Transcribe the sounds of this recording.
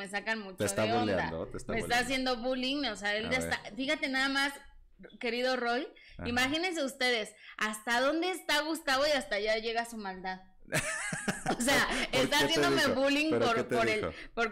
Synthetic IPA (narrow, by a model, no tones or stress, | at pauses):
me̞s̬akanmũt͡ʃ̪oesaolea̰d̪o̰t̪est̪amest̪aːs̬jend̪o̞βuliŋnoseaeld̪est̪afixat̪e̞naðamas | ke̞ɾiðo̞ro̞j | imaxine̞ns̬e̞ust̪e̞ðe̞sast̪aðo̞nd̪e̞ːst̪aɣust̪aβo̞iast̪aʝaʝe̞ɣasumald̪að | oseaest̪asjend̪oomeβuliŋpoɾpoɾelpo̞ɾ